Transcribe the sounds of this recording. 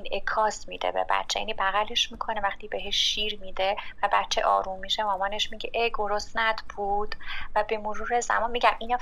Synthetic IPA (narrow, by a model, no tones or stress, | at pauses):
inekʰɒːsmḭd̪ḛbḛbæ̰t̪ːt͡ʃʰːeja̰ːnibæɣæleʃmiːkʰo̞nevæxt̪iːbe̞ɦeʃːiːɾmiːd̪evæbæt̪ːt͡ʃʰeʔɒ̰ːɾumːiʃemɒːmɒːneʃmiɟeʔeɡo̞ɾosnæd̪̥buːd̪̥væbe̞moɾuːɾe̞zæ̰mɒnmiɟæmʔinɒː